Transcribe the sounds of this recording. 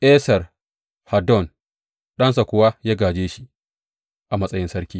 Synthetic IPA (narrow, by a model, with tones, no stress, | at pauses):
ʔɛː˦sɐ˨r | ha˨dɔ˦˨n | ɗɐ˦nsa˨kʷʊ˦wa˦jaː˦ɡaː˨d͡ʒeː˦ʃi˦ | ʔa˨mɐ˦sʼɐ˦jɪ˦nsɐ˦ɽkʲiː˦